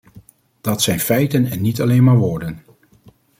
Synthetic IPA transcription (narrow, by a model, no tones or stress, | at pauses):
d̥ɑtsɛjnfɛjtənɛnːitɑlejnmaːɹʋʊːɹdən